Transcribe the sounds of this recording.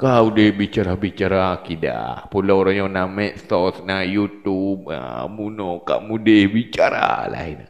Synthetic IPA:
kaudəhbit͡ʃaɾabit͡ʃaɾakida̰pulaɾaŋjɔnamɛʔsɔsnajut̪ub̚ə̰munɔka̰ʔmudɪhbit͡ʃaɾa̰la̰ɦina̰

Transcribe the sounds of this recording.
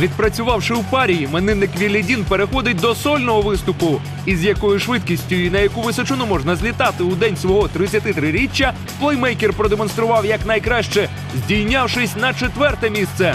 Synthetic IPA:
ʋʲid̪pɾɐt͡sʲʊʋɑwʂɪwpɑɾʲijimenɪnɪkʋʲilʲːɪdʲinpeɾexɔd̪ɪt̚ʲd̪ɔsɔlʲnɔɦɔʋɪst̪ʊpʊ | izjɐkɔjʊʃʋɪd̪̚kʲisʲtʲʊjinɐjɐkuʋɪsɔt͡ʃʊnʊmɔʒnɐzʲlʲit̪ɑt̪ɪʊd̪ɛnʲsʋɔɦɔt̪ɾɪt͡sʲːɐt̪ɪt̪ɾɪɾʲit͡ʃʲːɐ | plˠɛjmɛjkerpɾɔd̪emɔnst̪ɾʊʋɑwjɐknɐjkɾɑʃt͡ʃɛ | zʲdʲilʲnʲawʃɪsʲnɐt͡ʃet̪ʋɛrt̪ɛmʲist̪sɛ

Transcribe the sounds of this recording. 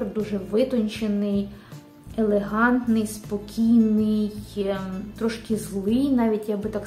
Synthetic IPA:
d̪uʒɛʋɪt̪ɔnʲt͡ʃenɪj | elˠeɦɑnt̪nɪjspɔkʲijnɪjj | t̪ɾɔʃkɪzlˠɪjnɑʋʲitʲjɐɡ̚bɪt̪ɑk

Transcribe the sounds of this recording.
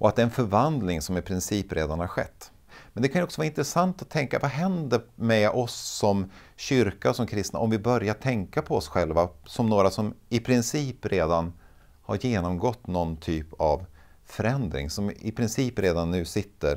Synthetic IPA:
ʔɔat̪̚d̪ɛɛnfœɾvand̪lɪŋsɔmɪpʰɾɪnsiːpɾeːd̪anhaɾɧɛ̰t̪ː | mɛnd̪ɛkʰanjɔksɔvaːɪnt̪ɾɛsant̪at̪ʰːɛŋka̰vaɦɛnd̪əmɛʔɔsːɔm | ɕʏɾkasɔmkʰɾɪst̪na̰ʔɔmvɪbœɾjaʈʰɛŋkapʰɔɔsɧɛlvasɔmnoːɾasɔmɪpʰɾɪnsiːpɾeːd̪an | ha̰ɾjeːnɔmɡɔt̪ːnɔnt̪ʰyːpav | fœɾɛnd̪ɾɪ̰ŋsɔmɪpʰɾɪnsiːpɾeːd̪anːʉ̟ːsɪt̪ːə̰ɾ

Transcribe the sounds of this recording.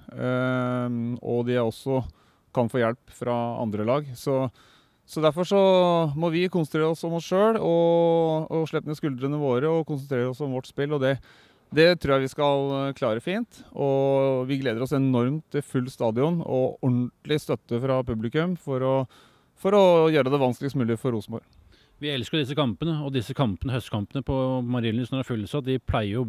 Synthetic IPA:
ɔ̰d̪ɪjæɔsːɔ | kʰɑnfoːjɛlpfɾɑɑ̰nd̪ɾəlɑːɡsɔ | sɔd̪æɾfɔʂɔmɔʋɪkʊnsnɾeːɾəɔsɔmɔsʂøːɽɔ | ɔʂɭɛpːəmeskʉld̪ɾənəʋoːɾəɔkʊnsənt̪ʰɾeːɾəɔsɔmʋɔʈːspɪlːɔd̪ɛ | d̪ɛt̪ʰɾuːjæʋɪskɑlkʰlɑːɾəfiːnt̪ɔʋɪɡleːd̪əɾɔsɛnɔɾmt̪ːɪfʉlːst̪ɑːd̪ɪʊnɔ̰ɔɳt̪lɪst̪œt̪ːəfɾɑpʉblɪkʉmfɔɾɔ | fɔɾɔjøːɾəd̪ɛʋɑnsklɪɡəst̪mʉːlɪfɔɾuːsmbɔ̰ɾ | ʋɪɛlskəd̪ɪs̬ːəkʰɑmpənəɔd̪ɪsːəkʰɑmpənəhœst̪kʰɑmpənəpʰɔmɑɾɪlɪsnɔɾæɾfʉlːsɔɑt̪̚d̪ɪpʰlæɪəɾjʊ

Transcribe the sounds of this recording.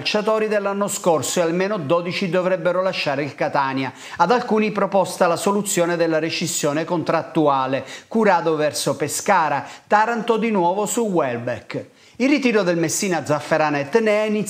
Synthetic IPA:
lt͡ʃat̪ɔːɾid̪elːanːoskorsoealmeːnod̪ɔːd̪it͡ʃid̪ovɾɛbːeɾolaʃːaːɾeilkat̪aːnja | ad̪alkuːnipɾopɔst̪alasolut̪sːjɔːned̪elːaɾet͡ʃisːjɔːnekont̪ɾat̪ːuaːlekuɾaːd̪ovɛrsopeskaːɾat̪aɾant̪od̪inwɔːvosuwɛlbɛk | ilrːit̪iːɾod̪elmesːiːnad̪zːafːeɾanɛt̪ːneɛini

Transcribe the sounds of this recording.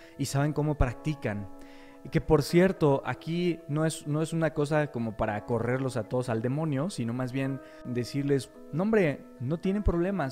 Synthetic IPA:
isaβe̞ŋko̞mo̞pɾak̚t̪ikan | ke̞poɾsje̞ɾt̪o̞ʔa̰kino̞e̞sno̞e̞sunako̞s̬ako̞mo̞paɾako̞re̞ɾlo̞sat̪o̞ðo̞sald̪e̞mõ̞njo̞sino̞mazβje̞n | d̪e̞siɾle̞s | nõ̞mbɾe̞ | no̞t̪je̞ne̞mpɾo̞β̞le̞ma

